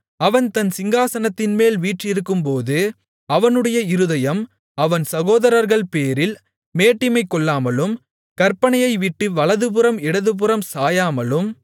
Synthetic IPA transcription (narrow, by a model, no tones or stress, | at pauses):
ɐʋɐnt̪ɐnsɪŋɡaːsɐnɐt̪ːɪnmeːlʋiːʈrɪɾɯkːɯmpoːðɯ | ɐʋɐnɯɽɐjɐɪɾɯðɐjɐm | ɐʋɐnsɐɣoːðɐɾɐɾɣɐɭpeːɾɪl | meːʈːɪmɐɪkːɔɭːaːmɐlɯm | kɐɾpːɐɳɐjɐɪʋɪʈːɯʋɐɭɐðɯp̬ɯɾɐmɛɽɐðɯp̬ɯɾɐmsaːjaːmɐlɯm